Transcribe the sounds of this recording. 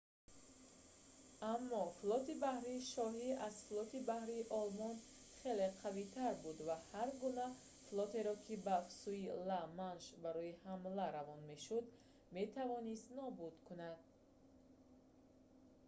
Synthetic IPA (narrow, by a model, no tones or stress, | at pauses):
amːɔflɔt̪ibahɾiːʃɔɦiazflɔt̪ibahɾiːʔɔlmɔn | χe̞le̞qʰavit̪ʰaɾbud̪vahaɾɡuna | flˠɔt̪e̞ɾɔkʰibafsuilamanʃbaɾɔihamlaɾavɔnme̞ʃud̪ | me̞t̪ʰavɔnist̪nɔbud̪kʰunad̪̥̚